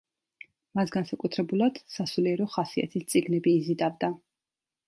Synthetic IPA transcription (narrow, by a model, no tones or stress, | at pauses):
masɡansakʼut̪ʰɾɛbulˠad̪̥sasuliɛɾɔχasia̰t̪ʰist̪sʼiɡnɛbiːzid̪avd̪a